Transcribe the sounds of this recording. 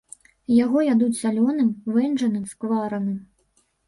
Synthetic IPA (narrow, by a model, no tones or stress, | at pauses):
jaɣɔjʲad̪ut͡sʲsʲalʲɔnɨmvɛnʐɐnɨmskvaɾɐnʲɨm